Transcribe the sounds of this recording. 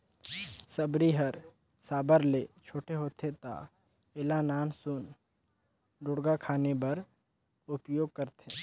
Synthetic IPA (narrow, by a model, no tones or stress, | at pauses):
səbɾiɦəɾ | saːbəɾleːt͡ʃʰoːʈeɦoːt̪ʰet̪a̰ | ɪlanaːnsun | ɖʊɽɡakʰaːnebɐɾ | ʊpjoːɡ̚kəɾt̪ʰeː